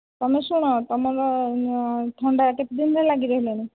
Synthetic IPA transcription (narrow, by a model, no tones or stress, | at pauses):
t̪ɔmesuɽ̃ɔt̪ɔmɔɾɔ | ʈ̪ʰɔɳɖakep̚d̪inɾɛlaɡiɾɔɦileni